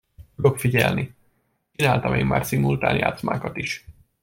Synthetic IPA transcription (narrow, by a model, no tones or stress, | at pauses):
t̪ud̪o̞kfiɟɛ̰lni | t͡ʃinaːlt̪ɒmʔeːmma̰ːrt̪simult̪a̰ːnja̰ːt̪smaːkɒt̪iʃ